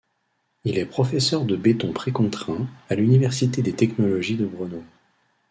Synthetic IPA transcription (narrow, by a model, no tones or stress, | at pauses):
ilɛpχɔfɛsœʁd̪əbet̪ɔ̃pχekɔ̃t̪χɛ̃alynivɛʁsit̪ed̪et̪ɛknɔlɔʒid̪əbʁəno